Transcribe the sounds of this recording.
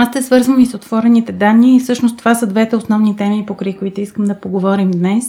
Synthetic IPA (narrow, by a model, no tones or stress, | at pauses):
ast̪ɛsvɤɾzvənisot̪vɔɾɛnit̪ɛd̪anːiːfsɤʃnost̪ːovasəd̪vɛt̪ɛosnɔvnit̪ɛmipokɾəjkoit̪oiskəmd̪ɐpoɡovɔɾimd̪nɛs